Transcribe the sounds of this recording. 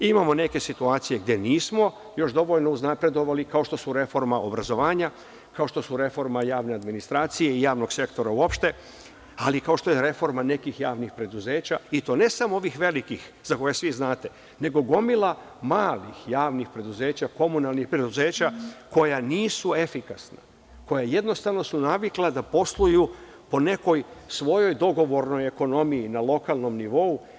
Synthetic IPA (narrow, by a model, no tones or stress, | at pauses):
imamo̞ne̞ke̞sit̪uaːt̪sije̞ɡ̚d̪je̞niːsmo̞ | jo̞ʃd̪o̞ʋo̞ʎno̞uznapɾe̞d̪o̞ʋalikao̞ʃt̪o̞suɾe̞fo̞ɾmaʔo̞bɾazo̞ʋaːɲa | kao̞ʃt̪o̞suɾe̞fo̞ɾmajaːʋne̞ad̪minist̪ɾaːt̪sije̞ijaːʋno̞ɡ̥se̞kt̪o̞ɾauo̞pʃt̪e̞ | alikao̞ʃt̪o̞jeɾe̞fo̞ɾmane̞kixjaːʋnixpɾed̪uze̞ːt͡ɕait̪o̞ːne̞samooʋixʋe̞likixzako̞jasʋiznaːt̪e̞ | ne̞ɡo̞ɡo̞milˠa | maːlixjaːʋnixpɾe̞d̪uze̞ːt͡ɕako̞munalˠnixpɾe̞d̪uze̞ːt͡ɕako̞janiːsue̞fikasna̰ | ko̞jaje̞d̪no̞st̪aʋno̞sunaʋiklˠad̪apo̞slˠuju | po̞ne̞ko̞jsʋo̞jo̞jd̪o̞ɡo̞ʋo̞ɾno̞je̞ko̞no̞miinalˠo̞kalˠno̞mniʋo̞u